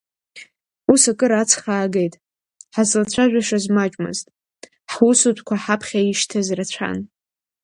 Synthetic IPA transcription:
usakʼɨɾat͡sʰχaːɡe̞jtʼ | ħazlat͡ɕʷʰaʒʷᶣaʂazmat͡ʃʷʼmɨ̰ztʼ | ħwusutʷʰʼkʷaħapʰχʲaiʃtʰazrat͡ɕʷʰa̰n

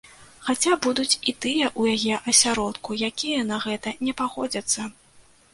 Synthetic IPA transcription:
xat͡sʲabud̪ut͡sʲit̪ɨjɛʔujajɛʔɐsʲaɾɔt̪kujakʲijɐnɐɣɛt̪ɐnʲɛpaɣɔd͡zʲɐt̪sːɐ

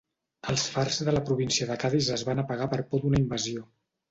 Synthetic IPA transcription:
əlˠsfarzðələpɾuβ̞insiəðəkaðizəzβanəpəɣ̞apəɾpod̪unəimbəzio

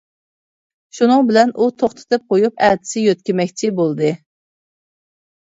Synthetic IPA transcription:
ʃunɨŋbɪlɛnʔut̪ʰoχt̪ʰɨ̥t̪ʰɨp̚qʰojupæd̪ɪ̥sɪjøt̪̚kʲɪmɛkʲt͡ʃʰɪbolˠd̪ɨ

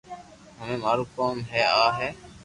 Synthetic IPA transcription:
ɦəmẽːmaːɾuːkaːmɦɛːaːɦeː

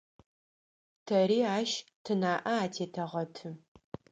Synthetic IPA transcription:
tʰɐɾiːaːʃtʰɨnaːʔɐaːtʰeːtʰɐʁɐtʰɨ

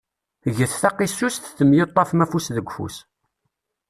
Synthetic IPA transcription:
ʝəθθɑqisusθθəmjot̪ˤːɑfmæfusðəɡʷfṵs

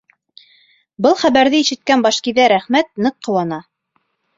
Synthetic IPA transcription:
bɤlˠχæβæɾðɘiʃɘ̆t̪̚kænbɑʃkiðæɾæχmæt̪̚nɤqːɤ̆wɑnɑ

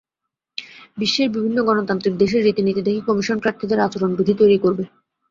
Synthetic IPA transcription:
biʃːeɾbibʱinːoɡɔnot̪ant̪ɾiɾd̪eʃeɾːit̪init̪id̪ekʰekɔmiʃonpɾaɾt̪ʰid̪eɾat͡ɕoɾonbud̪ʱit̪ojɾikoɾbe

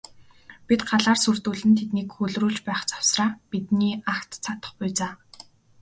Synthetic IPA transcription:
pit̪ɢaɮaːrsɵr̥t̪uːɮɘ̆nt̪ʰet̪niːkxɵɮruːt͡ɕpæːχt͡sḁw̥sraːpit̪niːakt̪t͡sʰat̪ə̥̆χpʊjt͡saː

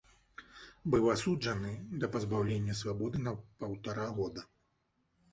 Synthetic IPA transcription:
bɨwasud͡ʐɐnɨd̪ɐpɐzbawlʲenʲːɐsvabɔd̪ɨnɐpɐwt̪aɾaɣɔd̪ɐ

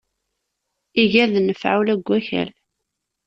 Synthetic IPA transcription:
iʝæðnəfʕawlæɡʷːæçæ̰l

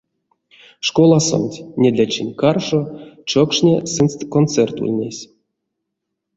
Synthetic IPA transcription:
ʂkolˠaso̰nʲtʲnʲed̪lʲat͡ʃinʲkarʂot͡ʃokʂnʲesɨnst̪kont̪sɛrt̪ṵlʲnʲḛsʲ

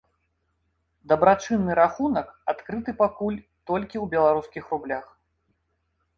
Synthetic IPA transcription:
d̪ɐbɾat͡ʂɨnːɨɾaxunɐkat̪kɾɨt̪ɨpakulʲ | t̪ɔlʲkʲiwbʲɛlˠaɾuskʲixrublʲax

